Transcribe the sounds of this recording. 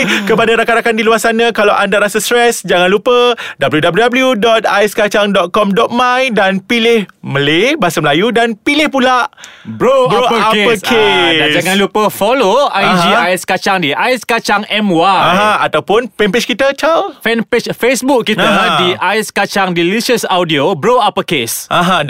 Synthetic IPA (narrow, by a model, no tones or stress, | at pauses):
kəpadaɾakaɾakandiluarsanãkalawʔandaɾasast̪ɾɛsd͡ʒaŋanlupədabəljudabljudabəljudɔt̪̚ajskat͡ʃaŋdɔt̪̚kɔmdɔt̪̚mãjdanpilɪhməlebaasaməlajudanpilɪhpulaʔbɾoboapəkʰead͡ʒaŋãnlupəfɔloajd͡ʒiajskat͡ʃaŋdiʔajskat͡ʃaŋɛmwaaɦãat̪awpʊnpɛmpet͡ʃkit̪ət͡ʃalfɛnpet͡ʃfesbukːitəadiʔajskat͡ʃaŋdilisəsawdiobɾoapəkesʔãɦã